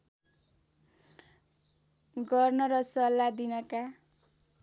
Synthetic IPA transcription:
ɡʌrnʌɾʌsʌlːad̪inʌka

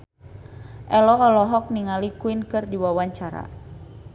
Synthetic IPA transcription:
ʔɛlɔːlɔɦɔk̚niŋalikuinkɨrdiwawaɲt͡ʃaɾa̰

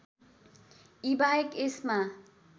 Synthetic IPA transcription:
ibajekesma

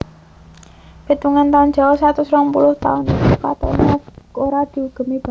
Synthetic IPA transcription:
b̥e̤t̪uŋant̪aʊnd͡ʒ̥a̤wɔsat̪usɾɔŋpulʊht̪a̰ʊnka̰t̪ɔ̰nakoɾad̪̥i̤uɡ̥ə̤mib̥a

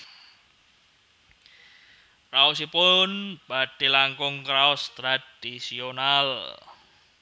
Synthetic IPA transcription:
raɔsipʊnb̥a̤ɖ̥i̤laŋkʊŋkɾaɔst̪ɾad̥isional

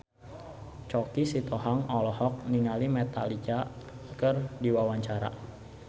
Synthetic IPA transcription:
t͡ʃɔkisit̪ɔɦaŋɔlɔhɔk̚niŋalimɛt̪a̰lit͡ʃakərdiwawaɲt͡ʃaɾa̰

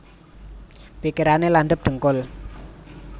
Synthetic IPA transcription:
b̥ikiɾaneland̪əp̚d̪̥ə̤ŋkʊl

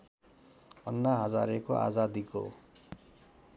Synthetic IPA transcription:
ʌnːaɦʌd͡za̰ɾekoʔa̰d͡zad̪iko̰

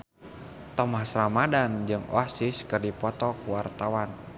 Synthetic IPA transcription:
t̪ɔmahsɾamadand͡ʒɨŋɔ̰asiskɨrdipɔt̪ɔkuwart̪awan

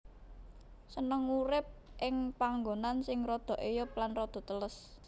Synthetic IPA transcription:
sənəŋuɾɪp̚ʔɪŋpaŋɡonansɪŋrɔd̪̥ɔ̤ʔejʊp̚lanrɔd̪̥ɔ̤t̪ələs

